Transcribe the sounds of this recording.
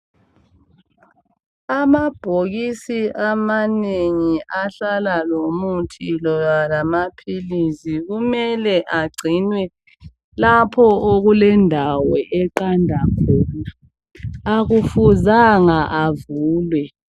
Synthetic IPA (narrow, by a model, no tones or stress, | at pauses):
amab̥ʱoɣisiʔamaneŋiʔaɬalalomutʰilɔjalamapʰilisiɣumɛlɛʔaɡ͡ǀʱinwɛ | lapʰɔʔoɣulɛndʱawɛʔɛǃandʱakʰɔnaː | ɣufuzaŋaʔavuːlwɛ